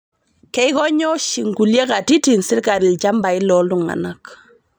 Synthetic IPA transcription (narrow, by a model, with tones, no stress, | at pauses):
kɛ˦jkɔ˦ɲɔ˦ʃi˨ŋɡu˨lje˦ka˨ti˦ti˨nsi˦ɾka˨ɾi˨lt͡ʃa˦mba˨i˦lɔ˨ldu˦ŋa̰˨na˦k